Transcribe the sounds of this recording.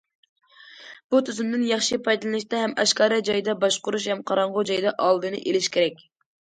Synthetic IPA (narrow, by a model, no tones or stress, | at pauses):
b̥ut̪ʰyzymd̪ɪnjɑχʃipʰɑjd̪ɨlˠɨnɨʃt̪ɛɦɛmɑʃkɑːɾɑd͡ʒɑjɨd̪ɑbɑʃqʊɾuʃ̬hɛmqʰɑɾɑɴʁʊd͡ʒɑjd̪ɑʔɑlˠd̪ɨnɨʔelɪʃkʲʰeɾɛkʲ